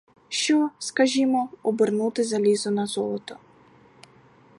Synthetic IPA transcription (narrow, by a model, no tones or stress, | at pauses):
ʃt͡ʃɔskɐʒʲimɔɔbɪrnut̪ɪzɐlʲizɔnɐzɔlˠɔt̪ɔ